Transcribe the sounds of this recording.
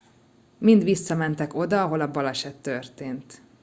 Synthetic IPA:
mind̪ʋisːɒmɛnt̪ɛko̞d̪ɒɒɦo̞lɒbɒlɛʃɛt̪ːørt̪eːnt̪

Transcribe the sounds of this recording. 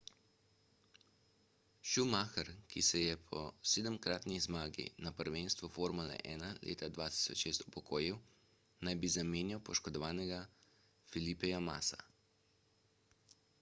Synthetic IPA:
ʃumaːxɛɾkisɛjɛpʰɔ̰seːd̪əmkɾaːt̪nizmaːɡḭnapəɾʋeːnst̪ʋufoːɾmulɛ̰ʔɛːnalʔḛːt̪ad̪ʋaːt̪i̥sɔt͡ʃʃeːst̪u̥pɔkoːjiw | najbizameːnjawpɔʃkɔd̪ɔʋaːnɛɡa | filipɛjama̰ːsa̰

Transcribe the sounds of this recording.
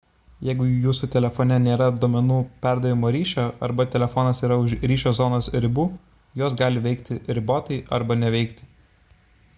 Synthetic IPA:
jɛɪɡʊjuːsʊt̪ʲɛlʲɛfɔːnʲɛnʲeːɾɐd̪oːmʲɛnuːpʲæˑɾd̪ɐʋʲɪmoːɾʲiːʃʲoːɐɾbɐt̪ʲɛlʲɛfɔːnɐsiːɾɐʊʃɾʲiːʃʲoːzɔːnoːsɾʲɪbuː | joːs̬ɡɑːlʲɪʋʲɛɪkt̪ʲɪɾʲɪboːt̪ɐɪʔɐ̰ɾbɐnʲɛʋʲɛɪkt̪ʲɪ̥

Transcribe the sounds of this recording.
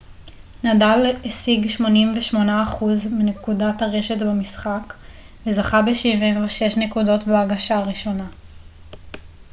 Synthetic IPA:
nadalesiɡʃmo̞nimveʃmo̞naːχuzminekudathaʁe̞ʃetbemisχak | vezaχabeʃivimveʃe̞ʃnekudo̞tbeaɡaʃaʁiʃo̞na

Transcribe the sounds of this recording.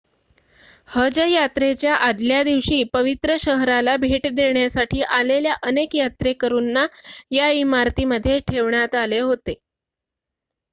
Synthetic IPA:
həd͡ʑəjat̪ɾet͡ɕjaʔad̪ljad̪iʋɕiːpəʋit̪ɾəɕəɦɾalabʱeʈd̪eɳjasaʈʰiːʔaleljaʔənekjat̪ɾekəɾuːnːajaimaɾt̪iːməd̪ʱːjeʈʰeʋɳjat̪aleɦot̪e

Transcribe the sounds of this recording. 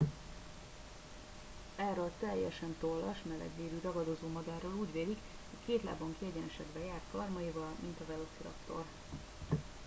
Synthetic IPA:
ɛrolt̪ɛjːɛʃɛnt̪olːɒʃmɛlɛ̰ɡ̪veːɾyːɾɒɡɒd̪ozoːmɒɡaːroːluːɟveːlik | hockeːt̪la̰ːboŋkiɛɟɛnɛʃɛɡ̪bɛjaːrt̪̚kɒrmɒjivɒlmint̪ɒvɛlosiɾɒ̰kt̪o̞̰r

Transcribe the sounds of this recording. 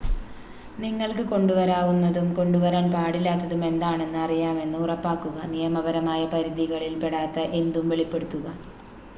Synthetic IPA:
niŋːɐɭkɨko̞ɳɖuʋɐɾaːʋunːɐðumko̞ɳɖuʋɐɾaːnpaːɽilːaːt̪ːɐðume̞nd̪aːɳe̞nːɨɐrijaːme̞nːɨurɐpːaːkːuɣɐnijɐmɐbɐɾɐmaːjɐpɐɾid̪iɣɐɭilpeɽaːt̪ːɐʔe̞nd̪umʋe̞ɭipːe̞ɽut̪ːuɣɐ

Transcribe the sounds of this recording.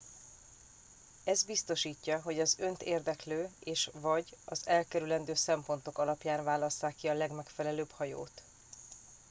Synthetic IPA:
ɛzbist̪o̞ʃiːcːɒɦo̞ɟɒzø̞nt̪eːrd̪ɛkløːeːʃvɒɟɒzɛlkɛɾylɛnd̪øːsɛmpo̞n̪t̪o̞kɒlɒpjaːnvaːlɒsːaːkːiɒlɛɡmɛkfɛlɛløːbhɒjo̰ːt̪

